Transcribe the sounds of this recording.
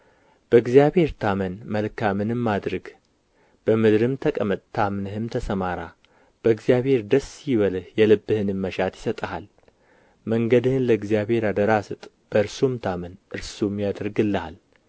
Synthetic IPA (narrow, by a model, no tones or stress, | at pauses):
b̥əɨɡzijaβhe̞ɾt̪ʰamənməlkʰamɨnɨmːad̪ɾəɡ | b̥əmɨd̪ɾɨmt̪ʰəkʼəmət̪ʼt̪ʰamnɨhɨmt̪ʰəsəmaɾa | b̥əɨɡzijaβhe̞ɾd̪əsjɪβəlhjɛlɨbːɨhɨnɨmːəʃat̪jɪsət̪ʼəhal | məŋɡəd̪ɨhɨnləɨɡzijaβhe̞ɾad̪əɾasɨt̪ʼ | b̥əɨɾsumt̪ʰamənʔɨɾsumjad̪əɾɡɨlːəha̰l